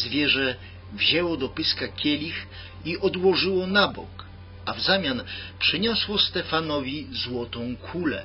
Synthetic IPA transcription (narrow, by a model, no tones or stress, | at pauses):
zvʲjɛʐɛ | vʑɛwɔd̪ɔpɘskakʲjɛlʲix | iʔɔd̪wɔʐɘwɔnabɔ̰k | avzamʲjanpʂɘɲɔswɔst̪ɛfanɔvʲizwɔt̪ɔ̃w̃kʰulɛ̰